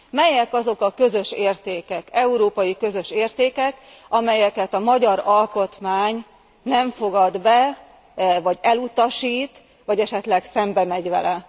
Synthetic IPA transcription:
mɛjɛkɒzo̞kɒkø̞zø̞ʃeːrt̪eːkɛkɛuɾoːpɒjikø̞zø̞ʃeːrt̪eːkɛk | ɒmɛjɛkɛt̪ɒmɒɟɒɾɒlko̞t̪maːɲ | nɛɱfo̞ɡɒd̪bɛ | vɒɟɛlut̪ɒʃiːt̪ | ʋɒɟɛʃɛt̪lɛksɛmbɛmɛɟvɛ̰lɛ

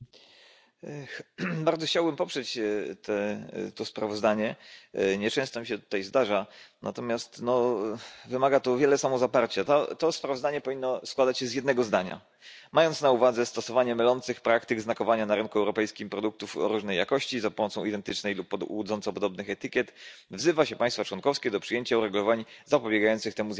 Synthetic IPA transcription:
baɾd̪ɔxt͡ɕawbɘmpɔpʂɛt͡ɕt̪ʰɛt̪ɔspɾavɔzd̪aɲɛɲɛt͡ʂɛ̃w̃st̪ɔmʲiɕɛt̪u̥t̪ajzd̪aʐanʔa̰t̪ɔmʲjast̪nɔ | vɘmaɡat̪ɔvʲjɛlɛsamɔzapaɾt͡ɕat̪at̪ɔspɾavɔzd̪aɲɛpɔvʲinːɔskwad̪at͡ɕɕɛzjɛd̪nɛɡɔzd̪aɲa̰ | majɔnt̪snauvad̪zɛst̪ɔsɔvaɲɛmɘlɔnt̪sɘxpɾakt̪ɘɡznakɔvaɲanaɾɘnkuɛwɾɔpɛjskʲimpɾɔd̪uk̚t̪ufɾuʐnɛjːakɔɕt͡ɕizapɔmɔt̪sɔ̃w̃id̪ɛnt̪ɘt͡ʂnɛjlupːɔwud̪zɔntsɔpɔd̪ɔbnɘxɛt̪ɘkʲɛt̪vzɘvaɕɛpaj̃st̪fat͡ʂwɔnkɔfskʲɛd̪ɔpʂɘjeɲt͡ɕauɾɛɡulɔvaɲizapɔbʲjɛɡajɔnt̪sɘxt̪ɛmuz

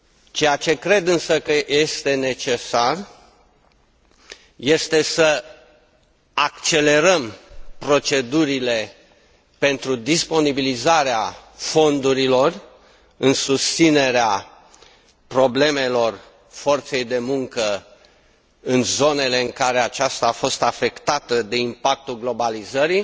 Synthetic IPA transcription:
t͡ʃe̞jat͡ʃe̞kɾe̞d̪ɨnsəkəje̞st̪e̞ne̞t͡ʃe̞sar | je̞st̪e̞sə | akt͡ʃe̞le̞ɾəmpɾo̞t͡ʃe̞d̪uɾile̞ | pe̞nt̪ɾud̪ispo̞nibilizaɾeafo̞nd̪uɾilo̞r | ɨnsust̪sine̞ɾea | pɾo̞ble̞me̞lo̞r | fo̞rt̪se̞jd̪e̞muŋkə | ɨnzo̞ne̞le̞ɨŋkaɾe̞at͡ʃast̪aːfo̞st̪afe̞kt̪at̪əd̪e̞impak̚t̪ulɡlo̞balizəɾi

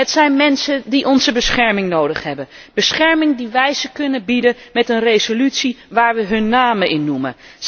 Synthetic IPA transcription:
ətsɛjnmɛnsəndiʔɔnzəbəsχɛɹmɪŋnowdəχɦɛbənb̥əsχɛɹmɪŋdiʋɛjzəkɵnəbidəmɛtənrejzolytsiʋaːɹʋəɦɵnːaːməʔɪnːumə̰

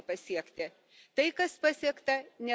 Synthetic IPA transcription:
pɐsʲiɛkt̪ʲɪ | t̪ɐɪkɐspɐsʲiɛkt̪ɐnʲɛ

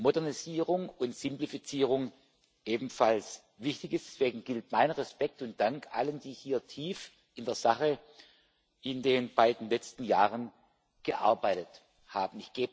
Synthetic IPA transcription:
modɛɐniziːʁʊŋʊntz̥ɪmplifit͡siːʁʊŋ | ʔeːbm̩fals | vɪçtɪçɪsd̥ɛsv̥eːɡŋ̩ɡɪltmaɪnʁɛspɛk̚tʊnt̚d̥aŋkʔa̰lənd̥iːhiːɐtʰiːf | ɪndeːɐz̥aχə | ʔɪndeːnbaɪdn̩lɛt͡stn̩jaːʁən | ɡ̥əʔa̰ɐbaɪtət | haːbn̩ɪçɡ̥eːb

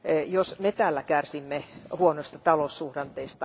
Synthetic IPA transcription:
josmet̪æːlːækærsimːehuonoist̪ɑt̪ɑlosːuhrɑnt̪eist̪ɑ

